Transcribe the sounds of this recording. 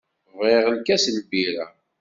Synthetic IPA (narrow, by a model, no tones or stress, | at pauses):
vʁeʁəlkæslbiɾæ̰